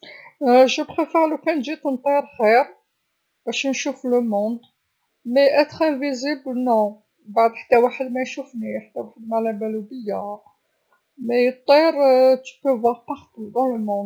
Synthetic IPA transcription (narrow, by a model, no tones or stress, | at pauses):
ʒəbxifælukænʒit̪ənt̪ˤiɾxiɾ | b̥æʃnʃufləmɔ̃d̪ | mæjʔæt̪χæ̃viziblnɔ̃ | baʕd̪ˤħḁt̪ːæwaħəd̪mæjʃufniħat̪ːæwaħəd̪mæʕlæbælub̪əjːa | mæjət̪ˤːiɾt̪ə̥pəvwaʁpɑʁt̪ud̪ɑ̃ləmɔ̃d̪